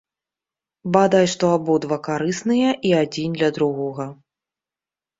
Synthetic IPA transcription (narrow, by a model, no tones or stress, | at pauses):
bad̪ajʂt̪ɔabɔd̪vakaɾɨsnɨjɐʔiad͡zʲind̪lʲɐd̪ɾuɣɔɣɐ